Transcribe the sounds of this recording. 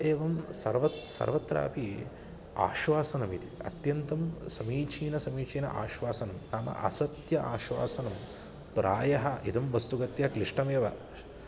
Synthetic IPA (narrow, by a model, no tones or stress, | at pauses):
eːʋɐmsɐ̰ɾʋɐt̪sɐ̰ɾʋɐt̪ɾa̰ːpi | a̰ːʃʋaːsɐnɐmit̪iɐ̰t̪jɐnt̪ɐmsɐmiːt͡ʃʰiːnɐsɐmiːt͡ʃʰiːnɐ̰ʔa̰ːʃʋaːsɐnɐmnaːmɐ̰ʔɐ̰sɐt̪jɐʔaːʃʋa̰ːsɐnɐm | pɾaːjɐɦɐʔid̪ɐmʋɐst̪uɡɐt̪jɐkliʂʈɐmeːʋɐ